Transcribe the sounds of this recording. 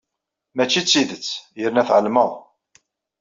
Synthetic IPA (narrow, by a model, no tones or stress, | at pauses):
mæt͡ʃːit͡sːiðət͡sːjəɾnæθʕəlməʁˤ